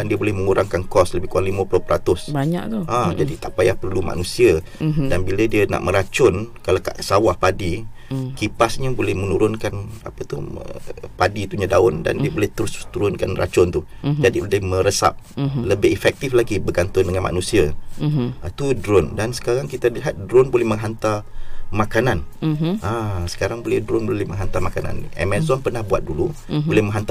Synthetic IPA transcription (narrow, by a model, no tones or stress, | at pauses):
andiəbolɛhmə̃ŋuɾaŋkankɔsləbɪhkuaŋlimapulopəɾat̪ʊsbaɲaʔt̪uʔãd͡ʒadit̪aʔpajahpərluma̰nusia | danbilədiəna̰ʔmə̃ɾat͡ʃʊnkalakaʔsawahpadikipasɲabolɛhmənuɾʊnkana̰pat̪uhə̰padit̪uɲadaʊnda̰ndiəbolɛht̪əɾʊst̪uɾʊnkanrʔa̰t͡ʃʊnt̪ud͡ʒadibolɛhmə̃ɾəsa̰p̚ləbɪɦifɛk̚t̪iflaɡibərɡant̪ʊndəŋanma̰nũsia | t̪udɾʊndansə̥kaɾaŋkit̪aliɦat̪̚dɾɔnbolɛhməŋɦant̪amakananasə̥kaɾaŋbolɛhdɾʊnbolɛhmə̃ŋɦant̪amakana̰nɛ̰mɛzɔnpərnahbua̰t̪̚dulubolɛhmə̃ŋɦant̪a